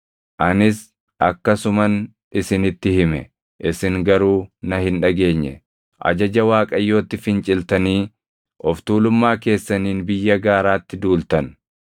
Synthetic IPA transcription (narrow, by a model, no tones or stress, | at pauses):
ʔɐnɪs | ʔɐkːɐsʊmɐn | ɪsɪnɪt̪ːɪhɪmɛ̰ | ʔɪsɪŋɡɐɾuːnɐhɪnᶑɐɡe̞ːɲːɛ̰ | ʔɐ̰d͡ʒɐd͡ʒɐwaːkʼɐjːo̞ːt̪ːɪfɪnt͡ʃʼɪlt̪ɐniː | ʔɔft̪uːlʊmːaːke̞ːsːɐniːnbɪjːɐɡaːɾaːt̪ːɪd̪uːlt̪ɐn